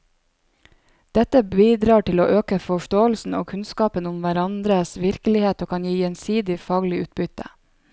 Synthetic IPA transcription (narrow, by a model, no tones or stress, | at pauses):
d̪̥ɛt̪əbiːd̪ɾɑːʈɪloːʔøːkəfɔʃtoːəlsn̩o̰ːkʰʉnskɑːpənʊmʋæɾɑnd̪ɾəsʋɪɾkəlɪheːt̪oːkʰɑnjiːjɛnsiːd̪ɪfɑːɡlɪʉːt̪̚bʏt̪ə̰